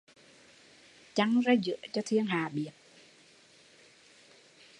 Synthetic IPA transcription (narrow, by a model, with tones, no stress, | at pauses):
t͡ɕa˨˧˦ŋzaː˧zɨ̰˧˥ət͡ɕɔ˧t̪ʰi˧əŋɦaː˨˩ɓi˨˩ət̚